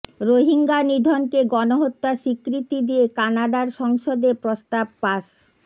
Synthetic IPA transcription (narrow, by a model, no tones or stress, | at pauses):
ɾoɦiŋɡanid̪ʱonkeɡɔnoɦot̪ːaʃikɾit̪id̪iekanaɖaɾʃɔŋʃod̪epɾost̪ab̚paʃ